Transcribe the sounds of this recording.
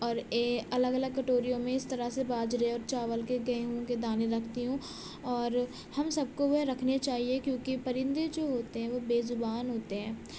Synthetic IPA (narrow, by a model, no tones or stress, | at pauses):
ɔːɾeːɐləɡɐləɡ̚kɐʈoːɾijõmẽɪst̪ɐɾasebaːd͡ʒɾeɔːɾt͡ʃaːʋəlkeɡɐeɦuõked̪aːneɾɐkʰt̪iɦũ | ɔːɾ | hɐmsɐb̚koʋoɦɾɐkʰnet͡ʃaːɦiekjõːkipɐɾɪ̃nd̪ed͡ʒoːɦoːt̪eɦɛ̃ʋobeːzʊbaːnɦoːt̪eɦɛ̃ː